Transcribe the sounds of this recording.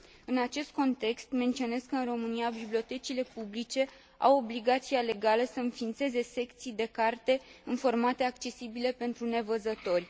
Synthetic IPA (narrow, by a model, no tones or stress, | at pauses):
ɨnat͡ʃe̞st̪̚ko̞nt̪e̞kst̪ment̪sio̞ne̞skəɨnro̞mɨniabiblio̞t̪e̞t͡ʃile̞publit͡ʃe̞ | a̰wobliɡat̪siale̞ɡaləsəɨnfint̪se̞ze̞se̞kt̪sijd̪e̞kart̪e̞ɨnfo̞rmat̪e̞akt͡ʃe̞sibile̞pe̞nt̪ɾune̞vəzət̪o̞rʲ